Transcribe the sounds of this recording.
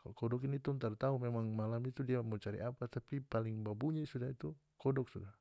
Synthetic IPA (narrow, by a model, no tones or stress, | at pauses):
kalkɔdɔkinit̪unt̪art̪aumɛmaŋmalamit̪udiamɔt͡ʃaɾḭʔapat̪apipaliŋbabuɲasudait̪u | kɔdɔksuda